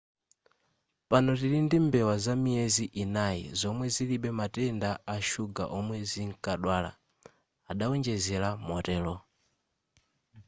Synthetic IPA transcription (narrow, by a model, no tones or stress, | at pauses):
panɔtiɾindimbɛwazamiɛziʔinajḭzɔmwɛziliɓɛmatɛndaʔaʃuɡa̰ʔɔmwɛziŋkʼaɗwala̰ | aɗaɔnd͡ʒɛzɛlamɔtɛːlɔ